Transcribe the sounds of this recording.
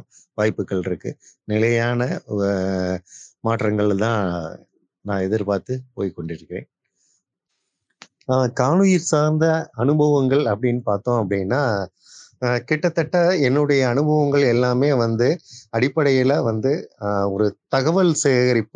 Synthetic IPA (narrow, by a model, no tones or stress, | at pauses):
ʋaːjpːɯkːɐɭɪɾɯkːɯnɪlɐjaːnɐ | maːʈrɐŋɡɐɭt̪ãː | nãːɛðɪɾpaːɾt̪ɯpoːjkɔɳɖɪɾɯkːɪɾḛ̃ːn | kaːɳɯjɪɾsaːɾnd̪ɐɐnɯbɐʋɐŋɡɐɭɐpːɐɽɪnːɯpaːɾt̪õːɐpːɐɽɪnːaː | kɪʈːɐt̪ːɐʈːɐɛnːɯɽɐjɐːnɯbʱɐʋɐŋɡɐɭɛlːaːmeːʋɐnd̪ɯɐɽɪpːɐɽɐjɪlɐʋɐnd̪ɯɔɾɯt̪ɐɣɐʋɐlseɣɐɾɪpː